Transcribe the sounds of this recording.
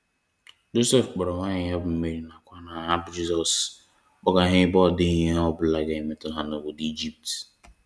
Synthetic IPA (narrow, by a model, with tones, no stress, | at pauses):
d͡ʒo˦se˦˨fk͡pɔ˨ɾɔ˨ŋʷa˦ɲɪ˨ja˦bʊ˨m̩˦me˦ɾi˨˦na˨kʷa˦na˨ɦa˦bd͡ʒi˦zɔ˨s | k͡pɔ˦ɡa˨ɦɪ˦bɔ˦˨dɪ˦i˦ɲe˦ɔ˦bʊ˨la˨ɡa˨ɪ˨me˨tʊ˦ɦa˨no˨wo˨di˦d͡ʒi˦p̚t